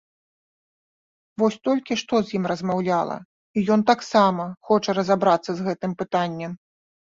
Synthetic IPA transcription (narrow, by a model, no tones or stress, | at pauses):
vɔsʲt̪ɔlʲkʲiʂt̪ɔzʲjimrɐzmawlʲalˠɐ̰ | ijɔnt̪aksamɐxɔt͡ʂɐɾɐzabɾat̪sːɐzɣɛt̪ɨmpɨt̪anʲːɛm